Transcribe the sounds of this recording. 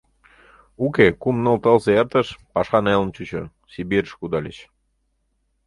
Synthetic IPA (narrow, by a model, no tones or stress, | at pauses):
ukekumnə̆lt̪əlseert̪ə̆ʃpɑʃɑnelə̆nt͡ɕut͡ɕo̰ | sibiɾəʃkud̪ɑlʲḛt͡ɕ